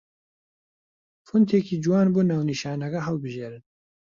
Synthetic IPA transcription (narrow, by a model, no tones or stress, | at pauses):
fʊnt̪ʰeːkiːd͡ʒuwɑːnboːnaːwniʃaːnɐɡɐɦɐwbɨʒeːɾɨn